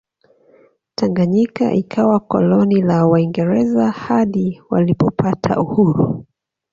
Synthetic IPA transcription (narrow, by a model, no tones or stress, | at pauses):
tʰaŋɡaɲika̰ʔikʰawakɔ̰lɔnilawaiŋɡɛɾɛzahaɗiwa̰lipɔpatʰa̰uhuɾu